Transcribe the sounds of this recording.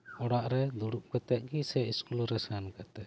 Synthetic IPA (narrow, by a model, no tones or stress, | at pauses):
ɔɽaʔɾɛd̪uɽuʔ̚kɛt̪ɛʔ̪̚ɡisɛʔiskulɾɛsankat̪ɛ